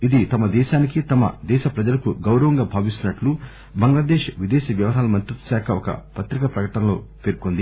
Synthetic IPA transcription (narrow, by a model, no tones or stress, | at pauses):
id̪it̪ɐmɐd̪ɛːʃaːnikit̪ɐmɐ̰d̪ɛːʃɐpɾɐd͡ʒɐlɐkuɡɐwɾɐʋɐŋɡaːbʱaːʋist̪unɐʈlu | bɐŋɡlad̪eːʃʋid̪eːʃɐʋjɐʋɐɾaːlɐmɐnt̪ɾut̪ːɐ̥ʃaːkʰɐɔkɐ̰pɐt̪ɾikɐpɾɐkɐʈɐnlo̞̰ːpe̞ːɾkond̪i